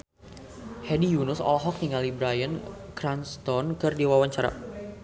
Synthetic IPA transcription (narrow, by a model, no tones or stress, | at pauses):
hɛdijunʊsɔ̰lɔɦɔk̚niŋalibɾajənkɾanst̪ɔnkɨrdiwawaɲt͡ʃaɾa̰